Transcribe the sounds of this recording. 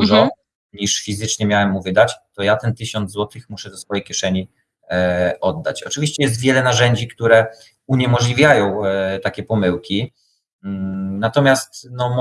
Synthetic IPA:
uʐɔ | ɲiʂfʲizɘt͡ʂɲɛmʲjawɛmːuvɘd̪at͡ɕt̪ɔjat̪ɛnt̪ɘɕɔnd̪zwɔt̪ɘxmuʂɛd̪ɔsfɔjɛjkʲjɛʂɛɲi | ʔɔd̪ːa̰t͡ɕɔt͡ʂɘvʲiɕt͡ɕɛjɛst̪vʲjɛlɛnaʐɛɲd͡ʑikt̪uɾɛ | uɲɛmɔʐlʲivʲjajɔ̃w̃t̪akʲɛpɔmɘwkʲi | nat̪ɔmʲjast̪nɔm

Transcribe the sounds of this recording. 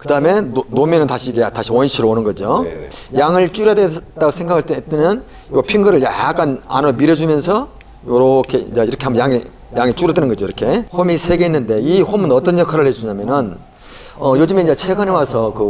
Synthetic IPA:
kɯdaɯme̞nomenɯntaɕʰiːɡetaɕʰiwʌnɕʰiɾoonɯnɡʌd͡ʑojaŋɯɭt͡ɕ͈uɾjadet͈aɡosʰe̞ŋɡaɡaɭt͈t͈enɯn | ɡʌpʰiŋɡɯɾɯɭjak͈ana̰nʌmiɾʌd͡ʑumjʌnsʰʌ | joɾʌkʰḛaiɾʌkʰeambʌjaŋe | jaŋet͡ɕ͈uɾʌdwenɯnŋɡʌd͡ʑoiɾʌkʰe̞homisʰe̞ɡe̞inːɯnde̞iɸomɯnʌt͈ʌnjʌkʰaɾɯɭhed͡ʑuɲamjʌnɯn | ʌjod͡ʑɯmeind͡ʑet͡ɕʰe̞ɡɯnewasʰʌkɯ

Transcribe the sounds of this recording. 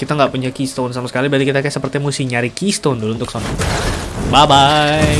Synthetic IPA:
kit̪aŋɡaʔpuɲakist̪onsamasə̥kalibad̪ikit̪akajsəpərt̪imusiɲaɾikist̪ondulunt̪ʊksonɔ | babaj

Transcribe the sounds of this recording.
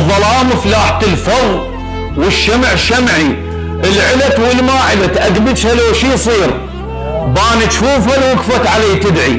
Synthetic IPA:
ðˤːɑlɑːmɪflaːħt̪ɪlfɑðˤ | wɪʃːamʕʃamʕi | ʔɪlʕɪlat̪wɪlmaːʕɪlat̪ʔaɡbɪʃhaloʃiːsˤiːɾ | baːnɪt̪ʃuːfalwʊkfat̪ʕalaːt̪ɪd̪ʕi

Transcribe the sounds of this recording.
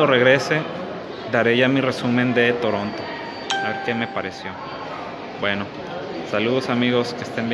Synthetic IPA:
ore̞ɣɾe̞se̞ | d̪aɾe̞ʝamire̞sumẽ̞nd̪e̞t̪o̞ɾo̞nt̪o̞ | aβe̞ɾke̞me̞paɾe̞sjo̞ | bwe̞no̞ | saluð̞osamiɣo̞ske̞st̪embj

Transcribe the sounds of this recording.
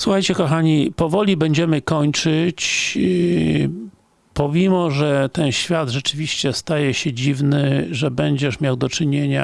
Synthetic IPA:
swuxajt͡ɕɛkɔxaɲipɔvɔlʲibɛɲd͡ʑɛmɘkɔɲt͡ʂɘt͡ɕ | pɔmʲimɔʐɛt̪ɛnɕfʲjad̪ʐɛt͡ʂɘvʲiɕt͡ɕɛst̪ajɛɕɛd͡ʑivnɘʐɛbɛɲd͡ʑɛʂmʲjawd̪ɔt͡ʂɘɲeɲa̰

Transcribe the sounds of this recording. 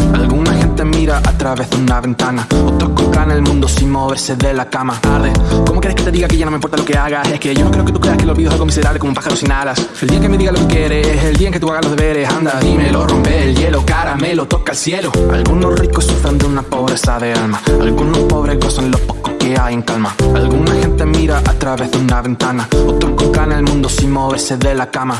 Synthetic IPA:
a̰lɣunaxe̞nt̪e̞miɾaʔat̪ɾaβe̞ðeunaβe̞nt̪anao̞t̪ɾohkompɾanelmũnd̪osinmo̞βe̞ɾse̞ðe̞lakamaaɾðekomokjeeke̞t̪e̞ðiɣakeʝanomimpoɾt̪alo̞ke̞aɣase̞hkeʝonokɾeoke̞t̪ukɾeahkelolβiðako̞mis̬e̞ɾaβlekomumpaxaɾosinalaseld̪iaeŋke̞me̞ðiɣalo̞kekje̞ɾeseld̪iaeŋket̪uaɣalo̞ðe̞βe̞ɾe̞sand̪aðimelorompelʝe̞lo̞kaɾamelot̪o̞kaelsje̞loa̰lɣuno̞rikosːufɾend̪eunapo̞βɾe̞saðe̞almaa̰lɣunohpo̞βɾekosonlo̞hpokohke̞aje̞ŋkalmaalɣunaxe̞nt̪e̞miɾaʔat̪ɾaβe̞ððeunaβe̞nt̪anaot̪ɾokokanelmũnd̪osimoβeseðelakama

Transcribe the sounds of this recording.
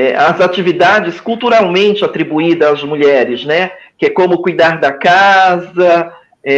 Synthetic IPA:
ɛɐzat͡ʃivid̪ad͡ʒɪskuwt̪uɾawmẽnt͡ʃɪat̪ɾibuid̪ɐːzmuʎɛɾɪznɛkɪɛkõmʊkujd̪aɾd̪ɐkazɐ | ɛ

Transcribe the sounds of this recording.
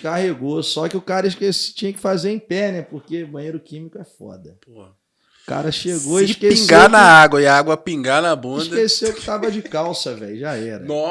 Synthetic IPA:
kaɦeɡosɔkɪʊkaɾɐiʃkest͡ʃĩɲɐkɪ̥fazeɾẽj̃pɛnɛpoχkebɐ̃j̃ejɾʊkĩmikʊɛfɔ̰d̪ɐpoɐ | ʊka̰ɾɐʃeɡoʃkeĩɡanɐaɡwɐɪaaɡwɐpĩŋɡanɐbũʃd̪ɐkesewkɪ̥t̪avɐd͡ʒɪkawsɐvɛ̰ʎʊʒaɛɾɐnɔ

